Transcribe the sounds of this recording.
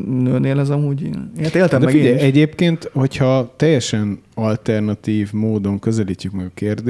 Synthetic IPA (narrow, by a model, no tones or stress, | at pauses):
nøːneːlɛzɒmuːɟḭnet̪eːlt̪ɛdɛfiɟɛjɛɟeːpkeːnt̪ho̞chɒt̪ɛjːɛʃɛnɒlt̪ɛrnɒt̪iːvmoːd̪o̞ŋkø̞zɛliːt͡ʃːykmɛɡɒkeːrd̪